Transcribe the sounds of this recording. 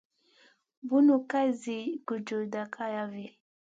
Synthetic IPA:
bu˦nu˨ka˦i˦zi˨ɡu˨d͡ʒu˨da˨kʰa˦ja˦vɛ˨

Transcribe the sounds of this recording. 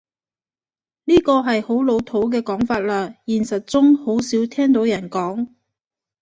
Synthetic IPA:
niː˥kɔː˧ɦɐ˨jho˨˥wlo˨˧wt̪ʰo˨˥wk̬ɛː˧kɔː˨˥ŋfaː˧t̚laː˧jiː˨˩nsɐ˨t̚t͡sʊ˥ŋho˨˥wsiː˨˥wt̪ʰɛː˥ŋt̪o˨˥wjɐ˨˩nkɔː˨˥ŋ

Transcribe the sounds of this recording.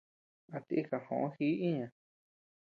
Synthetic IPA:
a˧t̪i˧ʔi˧ka˧hõ̰˨ʔõ˦hi˦ĩ˦ɲã˨

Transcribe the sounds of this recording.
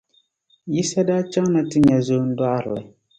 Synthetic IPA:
ji˦sa˦daː˦t͡ʃa˦ŋ˦na˦tɨ˦ɲa˨zo˦n̩˦dwa˦ʔɾɨ˨la˨

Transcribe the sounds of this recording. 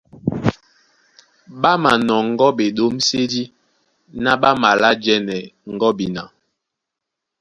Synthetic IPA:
ɓa˦ma˨nɔ˨ŋ˦ɡɔ˦ɓe˨ɗo˦mse˦di˦ | na˦ɓa˦ma˨la˦d͡ʒɛ˦nɛ˨ŋ̩˨ɡɔ˦bi˨na˨

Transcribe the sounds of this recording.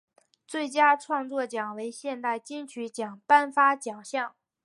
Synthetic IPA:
t͡swe˥˩ɪt͡ɕja˥ʈ͡ʂʰwɑ˥˧ŋt͡swɔ˥˩t͡ɕjɑ˨˩ŋwe˧˥ɪɕjɛ˥˧nt̪a˥˧ɪt͡ɕi˥ŋt͡ɕʰy˧˥t͡ɕjɑ˨˩ŋpa˥˩nfa˥t͡ɕjɑ˨˩ŋɕjɑ˥˩ŋ

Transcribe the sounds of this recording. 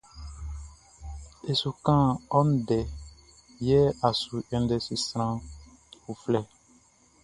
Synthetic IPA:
e˨su˨kã˦ɔ˦n˦dɛ˨ | jɛ˦a˨su˨ɛ̃˨n˦dɛ˨si˨sɾã˦ | u˨flɛ˦

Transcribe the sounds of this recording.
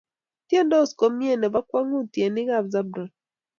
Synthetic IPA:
tje˦ndɔ˦˨sko˨mje˦˨nɛ˨ba˦kwa˦ŋu˦˨tje˨nɪ˦ɣa˦˨bza˦bɾa˨

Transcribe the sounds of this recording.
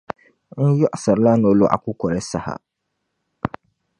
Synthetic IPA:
n̩˦jɔ˦ʔsa˨ɾla˦no˦lʊ˦ʔa̰˨kʊ˦kʷɔ˨ɾɛ˦sa˦ha̰˨

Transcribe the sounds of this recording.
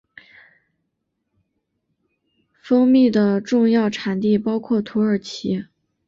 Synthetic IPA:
fɤ˥ŋmi˥˩d̪ə˩ʈ͡ʂʊ˥˧ŋjɑ˥˩ʊʈ͡ʂʰa˨˧˥nt̪i˥˩pɑ˥ʊkʰwɔ˥˩t̪ʰu˧˥ə˞˨˩t͡ɕʰi˧˥

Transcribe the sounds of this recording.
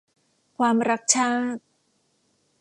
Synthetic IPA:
kʰwaː˧mɾa˦˥k̚t͡ɕʰaː˥˩t̪̚

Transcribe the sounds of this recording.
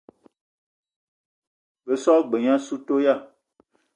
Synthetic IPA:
be˨sɔ˦ɡ͡be˨ɲã˦su˦to˦ja˦˨

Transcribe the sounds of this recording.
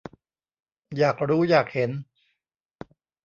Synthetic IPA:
jaː˨˩k̚ɾuː˦˥jaː˨˩k̚he˩˦n

